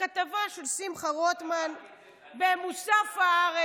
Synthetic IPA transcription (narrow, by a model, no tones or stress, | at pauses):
at̪avaʃelsimχaʁot̪man | bemusafaaʁe